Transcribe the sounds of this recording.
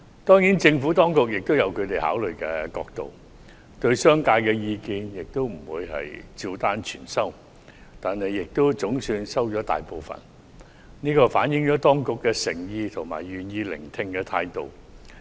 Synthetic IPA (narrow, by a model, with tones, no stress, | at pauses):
t̪ɔː˥ŋji˨˥nt͡sɪ˧ŋfuː˨˥t̪ɔː˥ŋkʊ˨k̚jɪ˨k̚t̪o˥wjɐ˨˧wkʰɵ˨˧ɥt̪e˨jha̰ː˨˥wlɵ˨ɥkɛː˧kɔː˧k̚t̪o̰˨w | t̪ɵ˧ɥsœː˥ŋkaː˧jkɛː˧jiː˧kiː˧njɪ˨k̚t̪o˥wm̩˨˩wuː˨˧jhɐ̰˨˩jt͡siː˧wt̪aː˥nt͡ʃʰy̰ː˨˩nsɐ˥w | t̪aː˨nhɐ˨jːɪ˨k̚t̪o˥wt͡sʊ˨˥ŋsyː˧nsɐ˥wt͡ʃɔː˨˥t̪a̰ː˨jpo˨wfɐ̰˨˩n | niː˥kɔː˧faː˨˥njɪ˨˥ŋt͡ʃɔː˨˥t̪ɔː˥ŋkʊ˨kːɛ˧sɪ˨˩ŋjiː˧t̪ʰʊ˨˩ŋma̰ː˨˩jɥyː˨njiː˧lɪ̰˨˩ŋt̪ʰɪ˧ŋkɛː˧t̪ʰaː˧jt̪o˨w